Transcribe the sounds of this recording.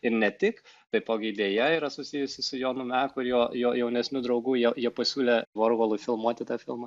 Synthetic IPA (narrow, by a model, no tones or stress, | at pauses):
ɪɾnʲɛt̪ʲɪkt̪ɐɪpoːɡʲɪd̪ʲeːjɛiːɾɐsʊsʲijʊsʲɪsʊjoːnʊmʲɛkʊɪɾjoːjoːjɛʊnʲɛsʲnʲʊd̪ɾɒʊɡuːjɛjiɛpɐsʲuːlʲeʋoːɾɡolˠʊfʲɪlˠmuɔt̪ʲɪt̪ɑːfʲɪ̰lˠmɐ